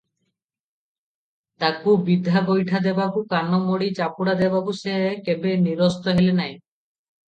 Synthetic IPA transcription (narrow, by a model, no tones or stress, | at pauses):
t̪akubid̪ʱːaɡojʈʰad̪ebabukanɔmoɽit͡ʃapuɽad̪ebabusekebeniɾɔst̪ɔɦelenaj